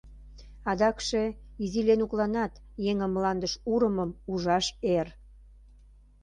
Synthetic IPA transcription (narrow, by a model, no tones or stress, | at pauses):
ɑd̪ɑkʃeizilenuklɑnɑt̪ | jeŋəmːlɑnd̪əʃuɾəməmuʒɑʃer